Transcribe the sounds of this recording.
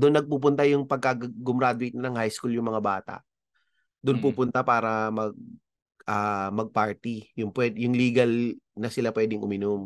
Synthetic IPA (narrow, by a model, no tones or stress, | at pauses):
d̪onːɐɡ̚puːp̬ʊnt̪ajʊŋpɐɡ̚kɐɡɡʊmɾaːd̪ʊɪjt̪nnɐŋhajskuljʊŋmɐŋabaːt̪a̰ʔ | d̪ʊnpuːpʊnt̪apaːɾɐmɐɡ̚ | ʔɐmɐɡ̚paɹt̪ijʊŋpwɛd̪jʊŋliːɡɐlnɐsɪlapwɛːd̪ɪŋʔʊmɪnom